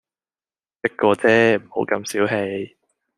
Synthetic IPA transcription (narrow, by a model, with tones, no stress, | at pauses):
t͡sɪ˥k̚kːɔː˧t͡sɛː˦˥m̩˨˩ho˨˥wkɐ˧msiː˨˥wɦe˧j